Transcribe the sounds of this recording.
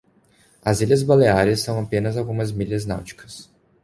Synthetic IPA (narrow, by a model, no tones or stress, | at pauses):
ɐziʎɐzbaleaɾɐsːɐ̃w̃apẽnɐzawɡũmɐzmiʎɐzna̰wt͡ʃi̥kɐ̥s